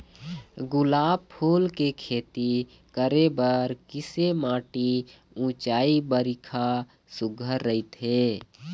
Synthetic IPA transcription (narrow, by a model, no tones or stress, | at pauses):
ɡʊlaːb̚pʰuːlkekʰeːt̪i | kəɾebəɾkɪsemãːʈi | ũt͡ʃaːibəɾɪkʰa | sʊɡʱəɾːəɪt̪ɦeː